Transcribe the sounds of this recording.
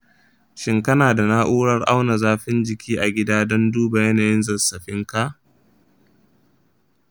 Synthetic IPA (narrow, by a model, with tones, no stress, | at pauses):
ʃɪ˦ŋkɐ˦naː˨da˨na˦ʔuː˦ɽɐ˦rʔa˦wna˨zaː˦ɸɪ˦nd͡ʒɪ˨kʲiː˦ʔa˨ɡʲɪ˦daː˦dɔ˦nduː˦ba˨jɐ˦naː˨jɪ˦nzɐ˨sɐ˨ɸɪ˦ŋka˦ʔ